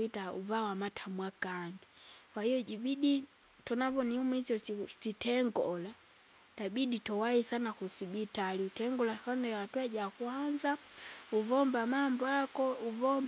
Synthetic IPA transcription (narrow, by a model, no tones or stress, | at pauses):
itaṵvawamatʰamwakaŋɡiwahijɔɟibidi | tɔnapɔniumit͡ʃɔsitɛŋɡɔla | tabiditɔwaisanakusibitaliutɛŋɡɔlasanawatwaɟakwand͡ʒauvɔmbamambɔakɔuvɔm